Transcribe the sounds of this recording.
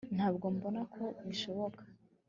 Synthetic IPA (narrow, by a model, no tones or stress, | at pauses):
n̥haːbɡo̞mbo̞nakʰo̞βiʃo̞βo̞kʰḁ